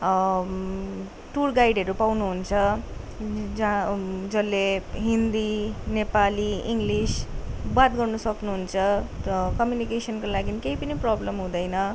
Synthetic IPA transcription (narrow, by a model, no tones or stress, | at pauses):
ʈurɡajɖɦʌɾupawnuɦunt͡sʰʌ | d͡zad͡zʌlːeɦind̪inepaliiŋɡlisbat̪̚ɡʌrnʌsʌknuɦunt͡sʰʌkʌmjunikesʌnkolaɡinikejpʌniprʌblʌmɦũd̪ʌjnʌ